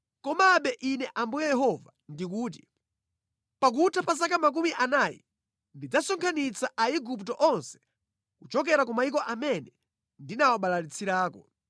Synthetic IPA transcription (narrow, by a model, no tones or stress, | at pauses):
kɔmaɓɛʔinɛʔambujɛjɛɦɔvandik̬uːt̬i | pak̬utʰapas̬akamak̬umiʔanaːjḭ | ndid͡zasɔŋkʰanit͡saʔaiɡup̬tɔʔɔnsɛ̥ | kut͡ʃɔk̬ɛɾakɔmaikɔʔamɛnɛ | ndinawaɓalalit͡sʰiɾaːkɔ